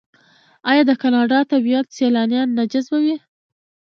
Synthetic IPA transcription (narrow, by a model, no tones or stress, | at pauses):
ɑjɑd̪əkɑnɑɖɑt̪abijat̪selɑnjɑnːad͡ʒɪzbawi